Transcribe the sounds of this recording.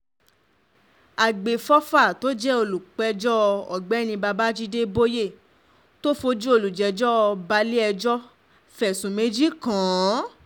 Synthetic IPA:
a˨ɡ͡be˨fɔ˦fa˦˨to˦d͡ʒɛ˦o˧˨lu˨k͡pɛ˨˧d͡ʒɔ˦˧ɔ̰˨ɡ͡bɛ˨˦nĩ˧ba˧ba˦d͡ʒi˦de˦bo˦je˦˨ | to˦fo˧d͡ʒu˦o˧˨lu˨d͡ʒɛ˨˦d͡ʒɔ˦˧ba˧˦li˦ɛ˧d͡ʒɔ˦ | fɛ˨sũ˨me˨˦d͡ʒi˦kã˨˦

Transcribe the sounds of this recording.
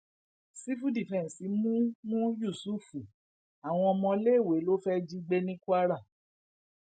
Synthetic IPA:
si˦fu˦di˨fɛ̃˨n˨si˨˦mũ˦mũ˦ju˦˨su˦˨fu˨ | a˨w̃ɔ̃˧ɔ˧mɔ̃˧le˦˨we˨˦lo˦fɛ˦d͡ʒi˦ɡ͡be˦nĩ˦ku˦a˦ɾa˦˨

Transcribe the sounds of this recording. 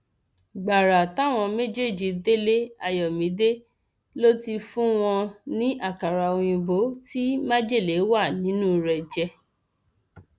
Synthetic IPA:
ɡ͡ba˨ɾa˨ta˦˨w̃ɔ̃˧me˦d͡ʒe˦˨d͡ʒi˨de˦le˦a˧jɔ˨mĩ˨˦de˦ | lo˦ti˧fũ˦w̃ɔ̃˧nĩ˦ʔa˦˨ka˨ɾa˧o˧j̃ĩ˧bo˨˦ti˦ma˦d͡ʒe˦˨le˨˦wa˦˨nĩ˨˦nũ˦ɾɛ˧˨d͡ʒɛ˧

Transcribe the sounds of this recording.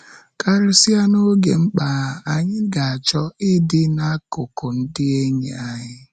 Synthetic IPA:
ka˦ɾɪ˦si˦a˦no˦ɡe˨ŋ͡m̩˦k͡pa˨a˨ɲɪ˦ɡa˨a˨t͡ʃɔ˦ɪ˦dɪ˦na˦kʊ˨kʊ˨n̩˦dɪ˦e˦ɲḛ˨a˨ɲɪ˦

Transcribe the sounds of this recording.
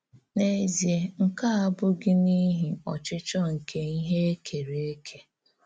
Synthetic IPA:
ne˦zje˦ŋ̩˦ka˦a˦bʊ˦ɡɪ˦ni˦ɦi˨ɔ˨t͡ʃɪ˦t͡ʃɔ˦ŋ̩˨kʰe˦i˦ɦe˦e˦kʰe˨ɾe˨e˦kʰe˨

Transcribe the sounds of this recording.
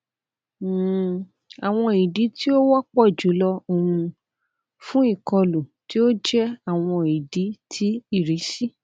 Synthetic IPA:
a˨w̃ɔ̃˧i˨di˨˦ti˦o˦wɔ˦k͡pɔ˦˨d͡ʒu˨˦lɔ˧o˦˧ũ˧ | fũ˦i˦˨kɔ˧lu˨ti˦o˦d͡ʒɛ˦a˦˨w̃ɔ̃˧i˨di˨˦tʰi˦i˦˨ɾi˨˦si˦

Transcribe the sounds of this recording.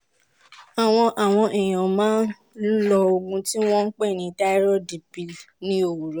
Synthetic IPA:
a˨w̃ɔ̃˧ʔa˨w̃ɔ̃˧ʔe˨j̃ã˨mãː˦n˦ | lɔ˧o˧ɡũ˧ti˦w̃ɔ̃˦ŋ̩˦k͡pɛ˦˨nĩ˧ta˦i˦ɾɔ˦di˨bi˨lnĩ˦o˦˨wu˨ɾɔ˨˦

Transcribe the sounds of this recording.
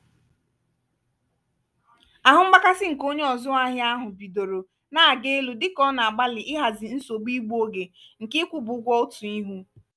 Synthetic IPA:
a˨ɦʊ˨˦ŋ͡m̩˦ɡ͡ba˦ka˦sɪ˦ŋ̩˨ko˦ɲe˦ɔ˨zʊ˦a˦ɦɪ˦a˦ɦʊ˨bi˨do˨ɾo˨ | na˦a˨ɡe˦lu˨dɪ˦kɔ˦na˨a˨ɡ͡ba˦lɪ˨ʔɪ˦ɦa˨zɪ˨n̩˦so˨ɡ͡bi˦ɡ͡bu˦o˦ɡe˨ŋ̩˨kɪ˦kʷu˨bʊ˨˦ɡʷɔ˦ʊ˦tu˨i˦ɦu˦

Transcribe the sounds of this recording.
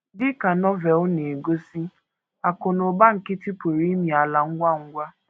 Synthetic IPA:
dɪ˦ka˨nɔ˦vɛ˨lne˨ɡo˦si˦ | a˨ko˨no˨ba˦ŋ̩˨kɪ˦tɪ˦po˨ɾi˦mi˨a˨la˨ŋ̩˦ɡʷa˦ŋ̩˦ɡʷa˦

